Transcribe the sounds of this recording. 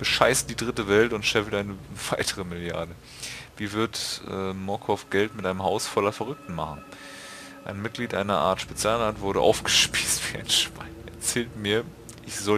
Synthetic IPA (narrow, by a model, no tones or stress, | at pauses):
b̥əʃaɪst̚d̥iːdʁɪtəvɛltʊntʃɛfl̩tʔaɪnəv̥aɪtʰəʁəmɪlja̰ɐdə | viːvɪɐtʔɛ̰ːmɔkʰɔfɡ̥ɛltmɪtʔaɪnəmhaʊsfɔlɐfɛʁ̞ʏk̚tn̩maχn̩ | ʔa̰ɪnmɪt̚ɡ̥liːtʔaɪnɐʔa̰ːɐtʃpet͡sjaːlnaːtv̥ʊɐɾəʔa̰ʊfɡ̥ə̥ʃpiːstv̥iːa̰ɪnʃv̥a̰ɪnɛ̰ɐt͡sɛːltmiːɐ | ʔɪçz̥ɔ